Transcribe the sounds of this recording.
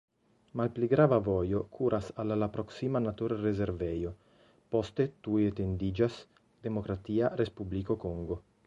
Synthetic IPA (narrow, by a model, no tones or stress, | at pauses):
malpliɡɾaːvavɔjokʰuːɾʔasalalapɾoksimanat̪uɾrezeɾvɛjo | pɔst̪et̪uet̪end̪id͡ʒas | d̪emokɾat̪iːarespublikokɔŋɡo